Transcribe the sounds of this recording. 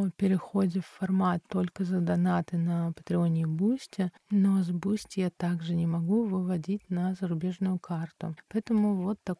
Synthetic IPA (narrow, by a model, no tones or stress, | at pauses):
pʲɪɾʲɪxo̞dʲɪfːɐrmat̪ːo̞lʲkəzəd̪ɐnat̪ɨnɐpə̥t̪ɾʲɪonʲɪːbusʲtʲɪ | no̞zbusʲtʲɪjat̪aɡʐɨnʲɪmɐɡuvɨvɐdʲitʲnɐzəɾʊbʲe̞ʐnʊjʊkʰart̪ʊ̰pɐɛt̪əmʊvo̞t̪ːɐ